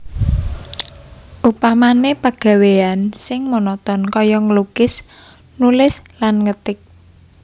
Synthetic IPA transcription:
ʔupamanepaɡ̥a̤weansɪŋmonɔt̪ɔnkɔjɔŋəluɡ̥ɪs | nulɪslanŋət̪ɪk̚

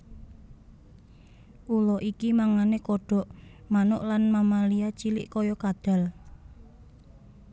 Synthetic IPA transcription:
ʔulɔʔikimaŋanekɔɖ̥ɔ̤ʔmanʊ̰ʔlanmamaliat͡ʃilɪ̰ʔkɔjɔkad̪̥a̤l

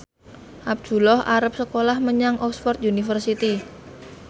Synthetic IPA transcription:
ʔab̥̚d̥ṳlɔhʔa̰ɾəp̚səkolahməɲaŋʔɔksfɔrt̪̚junifərsit̪i

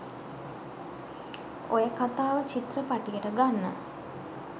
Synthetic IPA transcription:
o̰jəkat̪aːʋət͡ʃit̪rəpaʈijəʈəɡanːə̰

